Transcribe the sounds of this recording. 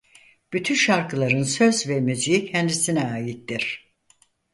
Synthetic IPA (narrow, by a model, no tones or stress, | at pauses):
b̥yt̪ʰynʃaɾkʰɯlˠaɾɯnsø̞zvɛmyzijicʰhænd̪isinɛaːjit̪d̪iɾ̥